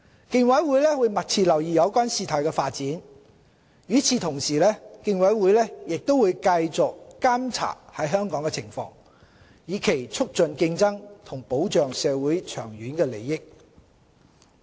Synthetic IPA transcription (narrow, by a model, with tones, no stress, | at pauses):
kɪ˧ŋwɐ˨˥jwu˨˥jlɛː˥wuː˨˧jmɐ˨˩t̚t͡sʰiː˧lɐ˨˩wjiː˨˩jɐ˨˧wkʷaː˥nsiː˧t̪ʰɔː˨˩jkɛː˧faː˧t̚t͡siː˨˥n | jyː˨˥t͡sʰiː˧t̪ʰʊ˨˩ŋsiː˨lɛː˥kɪ˧ŋwɐ˨˥jwu˨˥jlɛː˥jɪ˨k̚t̪o˥wuː˨˧jkɐ˧jt͡sʊ˨k̚ːaː˥mt͡sʰa̰ː˨˩hɐ˨˥jɦœː˥ŋkɔː˨˥ŋkɛ˧t͡sʰɪ˨˩ŋfɔ̰ː˧˥ŋ | jiː˨˧kʰe˨˩jt͡sʰʊ˥k̚t͡ʃɵ˧nkɪ˧ŋt͡sɐ˥ŋt̪ʰʊ˨˩ŋpo˨˥wt͡ʃœː˨ŋsɛː˨˧wuː˨˥jt͡ʃʰœ̰ː˨˩ŋɥyː˨˥nkɛː˧le˨˩jːɪ˥k̚